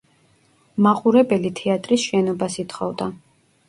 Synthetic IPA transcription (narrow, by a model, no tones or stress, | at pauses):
maχuɾɛbɛlit̪ʰɛat̪ʼɾisʃɛnɔbasit̪ʰχɔvd̪a